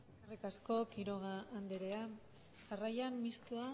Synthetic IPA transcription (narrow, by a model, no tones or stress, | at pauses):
sarikasko̞kiɾo̞ɣ̞aːnd̪eɾe̞a | ʝarajammist̪ua